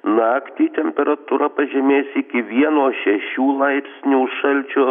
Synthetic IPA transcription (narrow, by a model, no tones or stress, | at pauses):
nɑːkt̪ʲiːt̪ʲɛmʲpʲɛɾɐt̪uɾɐpɐʒʲɛmʲeːsʲɪkʲɪʋʲiɛnoːʃʲɛʃʲuːlˠɐɪpʲsʲnʲuːʃɐlʲt͡ʃʲʊ